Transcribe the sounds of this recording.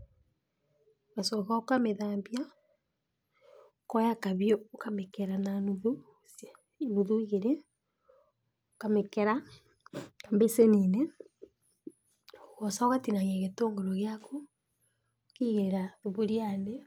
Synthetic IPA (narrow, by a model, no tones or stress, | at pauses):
ɣasɔɣaokameðaːmbia | kɔjakaβjoːkamekeɾananuðu | s | inuðuiɣeɾe | okamekeɾa | ambesenine | ɣɔsaoɣatinaɣeɣetoːŋɡoɾoɣeako | kiɣeɾaðuβuɾiane